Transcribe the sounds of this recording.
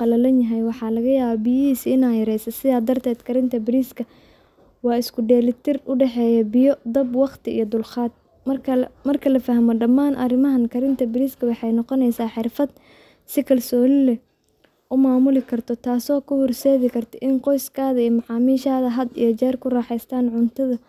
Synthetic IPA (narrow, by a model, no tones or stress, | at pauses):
qɑlɐlɐnjɐɦɛjwɑħɑːlɐɣɐjaːβɔbɪjɐɦiːsiɪnaːjɐɾɛjsɐsɪðaːd̪ɐrt̪ʰɛːd̪kʰɐɾɪnt̪ʰɐbɪɾiːskʰɐ | wɑːɪskʰʊɖɛːlɪt̪ʰɪrʊɖɛħɛːjɐbɪjɔd̪ɐbwɑqt̪ʰɪḭjɔd̪ʊlχaːd̪̚ʰ | mɐrkʰɐlɐfɐɦmɔɖɐmːaːnʔɐ̰rɪmɐɦɐnkʰɐɾɪnt̪ʰɐbɪɾiːskʰɐwɑħɑjnɔqɔnɛjsaːħɪrfɐd̪ | sɪkʰɐlsɔːlɪlɛ | ʔʊmaːmʊlɪkʰɐrt̪ʰɔt̪ʰaːsɔːkʰʊhʊrsɛːðɪkʰɐrt̪ʰɐʔɪnqɔjskʰaːðɐijɔmɑʕɑːmiːʃaːðɐɦɐd̪ḭjɔt͡ʃɛːrkʰʊraːħɛjst̪ʰaːnʕʊnt̪ʰɐðɐ